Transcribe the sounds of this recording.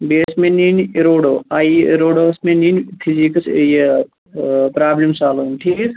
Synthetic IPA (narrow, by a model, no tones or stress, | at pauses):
beːsmẽninɾoːɽoːaːiɾoːɽoːsmẽninpʰizikɐsje | pɾaːblimsaːlomʈʰiːkes